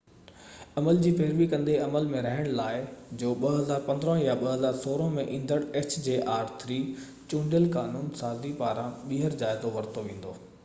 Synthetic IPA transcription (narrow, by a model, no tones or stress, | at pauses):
ɐməld͡ʑiːfeːɾʋikɐ̃nd̪eɐməlmẽɾɐɦəɽ̃laːɪd͡ʑoːɓɐɦɐzaːɾpɐ̃nd̪əɾə̃jaɓɐɦɐzaːɾsoːɾõmẽʔĩːn̆d̪əɽɛt͡ɕd͡ʑeːʔaːɾt̪ʰɾiː | t͡ɕʊ̃ːɳɖəlkaːnuːnsaːzipaːɾãɓiɦəɾd͡ʑaːɪzoʋɐɾt̪oʋẽːn̆d̪oː